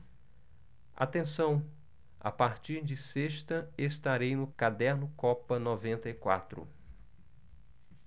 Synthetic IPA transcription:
a̰t̪ẽsɐ̃w̃ | a̰paɾt͡ʃiɾd͡ʒɪseʃt̪ɐest̪aɾejnʊkad̪ɛɾnʊkɔpɐnɔvẽnt̪ɐikwa̰t̪ɾʊ̰

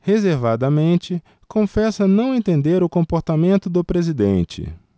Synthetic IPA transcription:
hezeɾvad̪ɐmẽnt͡ʃɪ | kõfɛsɐnɐ̃w̃ẽnt̪ẽnd̪eɾʊkõmpoɾt̪amẽnt̪ʊd̪ʊpɾezid̪ḛ̃nt͡ʃɪ̰

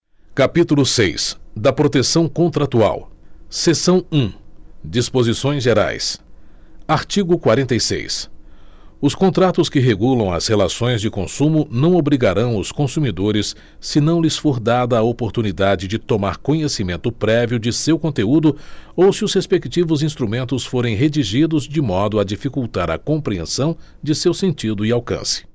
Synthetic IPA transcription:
kapit̪ulʊsḛjsd̪ɐpɾot̪esɐ̃w̃kõnt̪ɾat̪ua̰wsesɐ̃w̃ũd͡ʒispozisõj̃zʒeɾa̰js | aɾt͡ʃiɡʊkwaɾẽnt̪ejsḛjs | ʊskõnt̪ɾat̪ʊskɪɦeɡulɐ̃w̃ɐ̰shelasõj̃zd͡ʒɪkõsũmʊnɐ̃w̃obɾiɡaɾɐ̃w̃ʊskõsumid̪oɾɪsː | ɪnɐ̃w̃lɪsfoɾd̪ad̪ɐːopoɾt̪unid̪ad͡ʒɪd͡ʒɪt̪omaɾkõɲesimẽnt̪ʊpɾɛviʊd͡ʒɪsewkõnt̪eud̪ʊowsɪʊshespekt͡ʃivʊzĩst̪ɾumẽnt̪ʊsfoɾẽj̃ɦed͡ʒiʒid̪ʊzd͡ʒɪmɔd̪ʊad͡ʒifikuwt̪aɾɐ̰kõmpɾiḛ̃sɐ̃w̃ | d͡ʒɪsewsẽnt͡ʃid̪ʊɪawkɐ̰̃sɪ̥

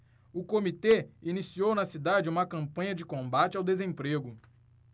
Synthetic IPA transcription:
ʊkomit̪einisiownɐsid̪ad͡ʒɪũmɐkɐ̃mpɐ̃ɲɐd͡ʒɪkõbat͡ʃɪawd̪ezẽpɾeɡʊ

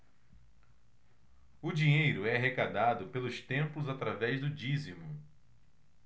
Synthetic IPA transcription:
ʊd͡ʒiɲejɾʊɛaɦekad̪ad̪ʊpelʊst̪ẽmplʊzat̪ɾavɛzd̪ʊd͡ʒizimʊ

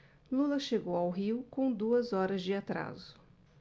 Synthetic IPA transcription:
lulɐʃeɡowawɦiwkõw̃d̪uɐzɔɾɐzd͡ʒɪat̪ɾa̰zʊ̥

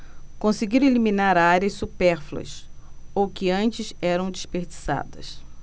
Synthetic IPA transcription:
kõsiɡiɾelimĩnaɾaɾiɐssupɛɾfluɐ̰sowkɪɐ̃nt͡ʃɪsɛɾɐ̃w̃d͡ʒispeɾd͡ʒisa̰d̪ɐs

